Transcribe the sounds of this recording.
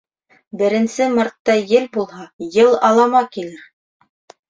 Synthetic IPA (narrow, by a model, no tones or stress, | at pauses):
bɘ̆ɾɘ̆nsɘmɑɾt̪ːɑjɘlbulˠɦɑjɤlˠɑlˠɑmɑkilɘɾ